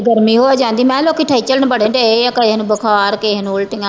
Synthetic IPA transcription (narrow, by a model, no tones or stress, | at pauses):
ɡəɾmiːɦoːaːd͡ʒãːnd̪iːmɛ̃ːloːkiːʈʰaːiːt͡ʃəlnbəɽeːɖeeakəenũːbəkʰaːɾkeːɦnũːʊlʈɪãː